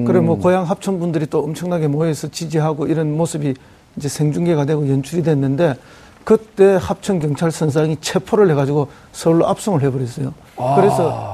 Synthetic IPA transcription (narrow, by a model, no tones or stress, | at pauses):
kɯɾemwʌkojaŋɦap̚t͡ɕʰʌnbundɯɾit͈oːmt͡ɕʰʌŋnaɡe̞moesʰʌt͡ɕid͡ʑiɦaɡoiɾʌnmosɯbi | ind͡ʑe̞sʰeŋd͡ʑuŋɡe̞ɡadwe̞ɡojʌnt͡ɕʰuɾidwenːɯnde̞ | kɯt͈e̞hap̚t͡ɕʰʌŋkjʌŋt͡ɕʰaɭsʰʌns̬ʰaŋit͡ɕʰe̞pʰoɾɯɭhe̞ɣad͡ʑiɡo | sʰʌuɭːoʔap̚s͈oŋɯɭhe̞bʌɾes͈ʌjo | kɯɾe̞sʰʌ